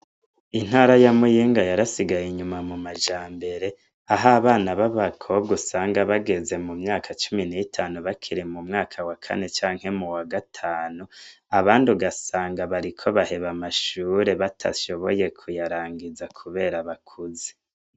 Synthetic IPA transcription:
in̥haːɾajamujiːŋɡajaɾasiɡajeɲumamumaʒaːmbe̞ɾe̞ | aɦaβaːnaβaβakʰoɡusaːŋɡaβaɡe̞ze̞mumɲaːkʰat͡ʃuminiitʰaːnuβakʰiɾimumŋaːkʰawakʰa̰ne̞t͡ʃaːŋhe̞muwaɡatʰaːnu | aβaːnduɡasaːŋɡaβaɾikʰo̞βahe̞βamaʃuːɾe̞βatʰa̰ʃo̞βo̞je̞kʰujaɾaːŋɡizakʰuβe̞ːɾaβakʰuze̥

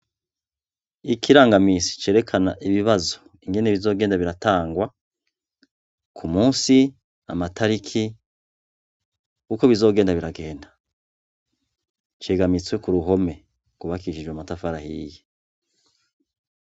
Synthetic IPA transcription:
ikʰiɾaːŋɡamisi̥t͡ʃe̞ɾe̞kʰanaʔiβiβazo̥ | iŋɡe̞neβizo̞ːɡe̞ːndaβiɾataːŋɡwa | kʰumuːsi | a̰matʰaɾikʰi | kuko̞βizo̞ːɡeːndaβiɾaɡe̞ːndḁ | t͡ʃe̞ːɡamit͡swe̞kuɾuɦo̞me̞ | ɡ̥uβakiiʃid͡ʒwematafaɾahiːje

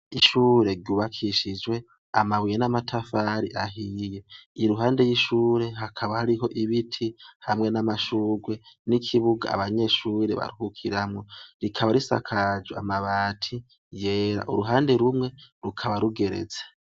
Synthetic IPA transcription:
iʃuːɾe̞ɾɟuːβakʰiʃid͡ʒwe̞ | a̰maβwijenamatʰafaːɾiʔaɦijeiɾuɦaːnde̞jiʃuːɾe̞ɦakʰaβahaɾiɦo̞ʔiβitʰihamŋe̞namaʃuːɡwe̞nikʰiβuɡa̰ːβaɲe̞ːʃuːɾe̞βa̰ɾuhukʰiɾamŋo̞ɾikʰaβaɾisa̰kʰad͡ʒea̰maβaːtʰi | je̞ːɾa̰ʔuɾuɦaːnde̞ɾumŋe̞ɾukʰaβaɾuɡe̞ɾe̞̰zḁ

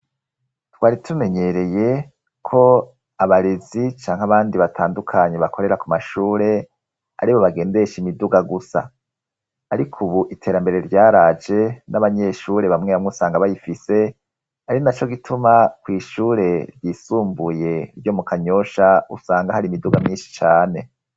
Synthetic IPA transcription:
twaːɾitʰume̞ɲe̞ɾe̞je̞ | kʰo̞ | aβaɾezit͡ʃaːŋ̥haβaːndiβatʰaːndukʰaɲe̞βakʰo̞ɾeɾakumaʃuːɾe̞ | a̰ɾiβo̞βaɡe̞ːnde̞ʃimiduɡaɡusa̰ː | ɾikʰuβuʔitʰe̞ːɾambe̞ɾe̞ɾjaːɾad͡ʒenaβaɲe̞ːʃuːɾe̞βamŋe̞βamŋeusaːŋɡaβajifise̞ | aɾinat͡ʃo̞ɡitʰumakwiːʃuːɾe̞ɾjiːsuːmbuje̞ɾjo̞mukʰaɲo̞ʃaṵsaːŋɡahaɾimiduɡamɲiːnʃi̥t͡ʃaːne̞

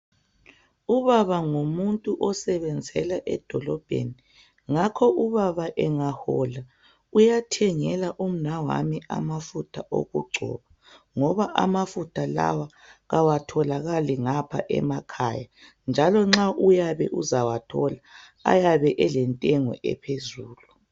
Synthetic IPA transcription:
uβaβaŋomuntʼuʔɔsɛβɛnd͡zʱɛlaʔɛd̥ʱɔlɔb̥ʱḛni | ŋakʰɔʔuβaβaʔɛŋahɔla | ujatʰɛŋɛlaʔum̩nawa̰miʔa̰mafutʰaʔo̰ɣuɡ͡ǀʱɔ̰βa | ŋɔβaʔa̰mafutʰala̰wa | ɣawatʰɔlaɣaliŋapʰa̰ʔɛ̰makʰa̰ːja | nd͡ʒʱalɔŋ͡ǁaʔujaβɛ̰ʔuzawatʰɔla | a̰jaβɛʔɛlɛntʼɛŋɔ̰ʔɛ̰pʰezuːlu

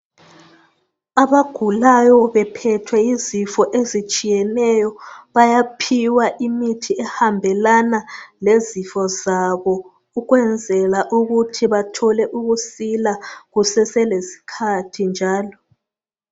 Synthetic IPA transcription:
aβaɡ̥ʱulajɔβɛpʰɛtʰwɛizifɔʔezit͡ʃʼijɛnɛjɔβajapʰiwaʔimitʰiɛhambʱɛlanalezifɔzaβɔ | uɣwɛnd͡zʱɛlaʔuɣutʰiβatʰɔlɛʔuɣusilaɣusɛsɛlesi̥kʰatʰind͡ʒʱaːlɔ

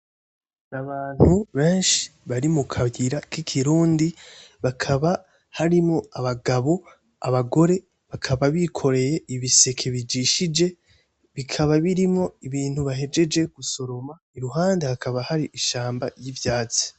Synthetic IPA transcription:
naβaːn̥huβe̞ːnʃi̥βaɾimukʰaɡiɾakikʰiɾuːndiβakʰaβa | haɾimŋo̞aβaɡaβo̞ | a̰βaɡo̞ɾe̞ | βakʰaβaβikʰo̞ɾe̞je̞iβise̞kʰe̞βid͡ʒiʃid͡ʒe̞ | βikʰaβaβiɾimŋo̞iβiːnhuβaɦe̞d͡ʒe̞d͡ʒe̞ɡ̥uso̞ɾo̞ma | iɾuɦaːndehakʰaβahaɾiʔiʃaːmbajivjaːt͡si̥

